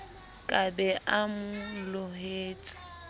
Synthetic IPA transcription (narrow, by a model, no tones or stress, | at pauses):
kʼabɛʔamʊlʊɦeːt͡sʼɪ̥